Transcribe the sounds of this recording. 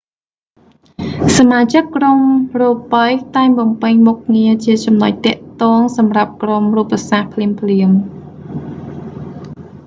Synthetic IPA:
samaːt͡ɕəkːromroːpəjt̪aɛŋɓɑmpɨɲmuk̚ŋiət͡ɕiət͡ɕɑmno̰c̚t̪ɛ̆əʔt̪ɔːŋsɑmrap̚kromruːpːasaːhpʰliəmpʰliəm

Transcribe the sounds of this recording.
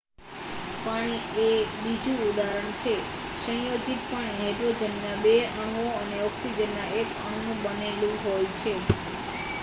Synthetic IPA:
paɽ̃iebid͡ʒũud̪aɾəɳt͡ʃʰe | ʃə̃jod͡ʒit̪̚pəɳɦɛʈɾod͡ʒənːabeãŋɡoəneɔksid͡ʒənːaekãɳ̃nũbənelũɦojt͡ʃʰe

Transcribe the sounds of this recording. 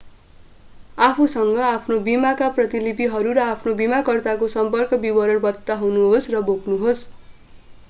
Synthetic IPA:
apʰusʌŋɡʌapʰnobimakaprʌt̪ilipiɦʌɾuɾʌapʰnobimakʌrt̪akosʌmpʌrkʌbibʌɾʌɽbʌt̪ːaɦʌwnuɦosrʌboknuɦos

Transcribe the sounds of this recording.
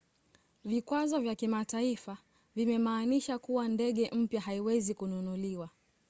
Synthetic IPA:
vikwazɔvjakimataifa | vimɛmaːniʃakuwandɛɠɛʔm̩pjaɦaiwɛzikununuliwa

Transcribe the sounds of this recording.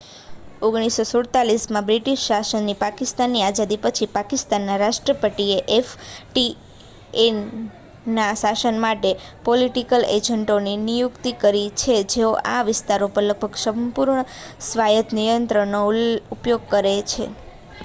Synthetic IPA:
oɡɽ̃isosoɽt̪alismãbɾiʈiʃːasənːipakist̪anːiad͡ʒad̪ipət͡ʃʰipakist̪anːaɾaʃʈɾəpəʈieʔefʈi | e | naʃasənmaʈepoliʈikəled͡ʒəɳʈoninijukt̪ikəɾit͡ʃʰed͡ʒeoʔaʋɪst̪aɾopəɾləɡ̚bʱəɡsəmpuɾɳəsʋajət̪nijənt̪ɾənoupjoɡ̚kəɾet͡ʃʰḛ

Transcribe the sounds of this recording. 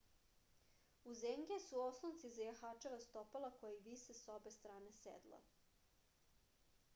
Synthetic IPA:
uzemɡesuoslˠont̪sizajaxat͡ʃeʋast̪opalˠakojaiʋisesobest̪ɾaːnesḛd̪lˠa̰

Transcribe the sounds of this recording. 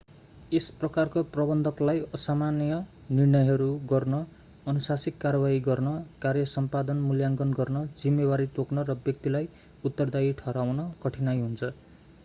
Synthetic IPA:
esprʌkarkoprʌbʌnd̪ʱʌklajʌsamanjʌ | nirnʌjɦʌɾuɡʌrnʌ | ʌnusasikːarʌbaɦiɡʌrnʌkarjʌsʌmpad̪ʌnmuljaŋɡʌnɡʌrnʌd͡zimːebaɾit̪oknʌɾʌbjʌk̚t̪ilaj | ut̪ːʌrd̪aiʈʰʌɾawnʌkʌʈʰinajɦunt͡sʰʌ

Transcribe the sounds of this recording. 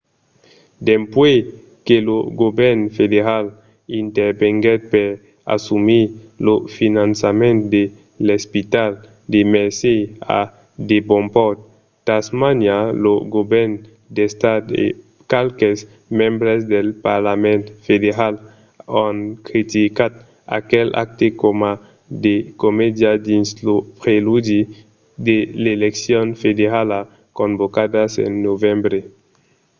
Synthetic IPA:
d̪empwe | keloɡobeɾnfedeɾal | int̪eɾbeŋɡet̪̚peɾ | a̰sumilofinansamẽnt̪d̪e | lespit̪al | d̪emeɾsea̰ | d̪ebompot̪̚ | t̪ːasmanjaloɡobeɾn | d̪est̪at̪ḛ | kalkes | mẽmbɾesd̪elpaɾlament̪fed̪eɾal | oŋkɾit̪ikat̪̚ | a̰kela̰k̚t̪ekoma | d̪ekomed̪jad̪inslopɾeludi | d̪eleleksjonfed̪eɾala | kombokad̪asḛnːovembɾe

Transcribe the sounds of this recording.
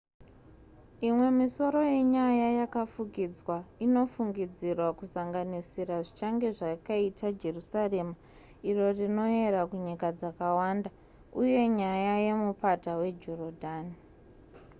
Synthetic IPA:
imwe̞miso̞ɾo̞je̞ɲajajakafukid͡zwaino̞fuŋɡid͡zirwakusaŋɡanisiɾaʐit͡ʃaŋɡe̞ʐakaitad͡ʒe̞rusare̞ːma | iro̞rino̞e̞ɾakuɲikad͡zakawanda | uje̞ɲajaje̞mupatawe̞d͡ʒorodʱaːni

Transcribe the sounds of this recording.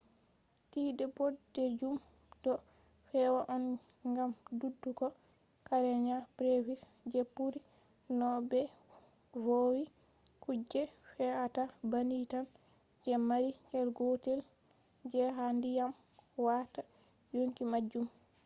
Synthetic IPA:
tiːdɛboded͡ʒum | dɔ | fɛwaʔɔn | ŋɡamdudːukɔ | kaɾɛɲabɾevis | d͡ʒepːuɾi | nɔbɛ | vowi | kud͡ʒɛfɛwatabanitan | d͡ʒɛmaɾihɛlɡotɛl | d͡ʒɛɦandijam | wata | joŋkimad͡ʒːum

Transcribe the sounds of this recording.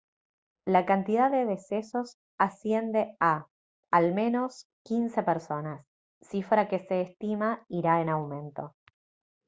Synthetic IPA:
lakant̪iðaðe̞ðe̞se̞so̞s | asje̞nd̪e̞aː | lmẽ̞no̞s | kinse̞peɾso̞nasː | ifɾake̞seːst̪imaiɾaenawmẽ̞nt̪o̞

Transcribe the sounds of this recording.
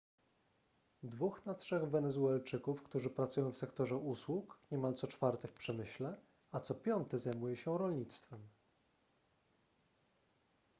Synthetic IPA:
d̪vuxnatʂɛɣvɛnɛzuɛlt͡ʂɘkufkt̪uʐɘpɾat̪sujɔ̃w̃fsɛkt̪ɔʐɛuswukɲɛmalt̪sɔt͡ʂfaɾt̪ɛfpʂɛmɘɕlɛ | at̪sɔpʲjɔnt̪ɛzajmujɛɕɛɾɔlɲit̪st̪fɛm

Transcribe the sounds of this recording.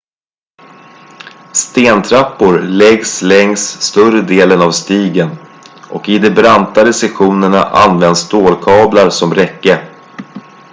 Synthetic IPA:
st̪eːnt̪ʰɾapːʊɾlɛɡslɛŋsːt̪ɵrəd̪eːlənavst̪iːɡən | ʔɔkɪd̪ɛbɾant̪ad̪əsɛɧuːnəɳa̰ʔa̰nvɛnd̪st̪oːlkʰɑːblaɾsɔmɾɛkːə

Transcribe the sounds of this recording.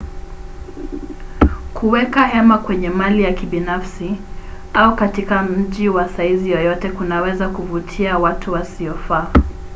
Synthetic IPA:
kʰuwɛkahɛmakwɛɲɛmalijakiɓinafsi | aukatikam̩ʄiwasaizijɔjɔtɛkunawɛzakuvutʰiawatʰuwasiɔfaː

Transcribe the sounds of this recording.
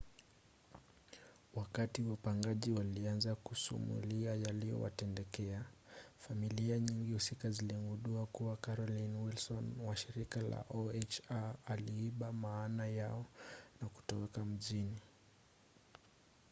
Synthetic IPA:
wakatiwapaŋɡaʄiwalianzakusṵmṵliajalijɔ̰wa̰tɛndɛkɛafamiliaɲiŋɡihusikaziliŋɡuɗuakuwakaɾɔlinwilsɔnwaʃiɾikala̰ʔɔɛt͡ʃaaliiɓamaːnajaɔnaku̥tɔwɛkam̩ʄini

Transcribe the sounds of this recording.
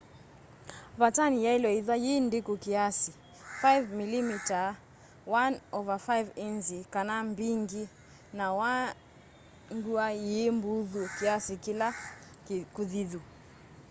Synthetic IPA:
βatanijailɔiðwajindikukiasi | fajvmilimita | wanɔvafajvinzikanambiŋɡi | nawa | ŋɡuajembuðukiasikila | kuðiðu

